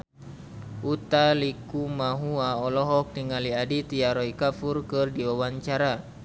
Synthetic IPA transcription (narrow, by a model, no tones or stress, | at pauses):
ʔut̪alikumaɦuaɔlɔɦɔk̚t̪iŋaliadit̪iaɾɔikafurkɨrdiwawaɲt͡ʃaɾa